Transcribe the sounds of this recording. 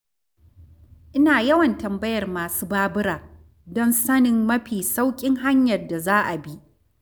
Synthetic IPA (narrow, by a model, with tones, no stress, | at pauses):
ʔɪ˦naː˨jɐ˦wɐ˨ntɐ˨mbɐ˦jɐ˨rmaː˨suː˦baː˦bɪ˦ɾaː˨ | dɔ˦nsɐ˦nɪ˨mːɐ˦ɸiː˨sa˦wkʲʼɪ˦ŋɦa˦ɲjɐ˨rda˨zaː˦ʔa˨bi˦ʔ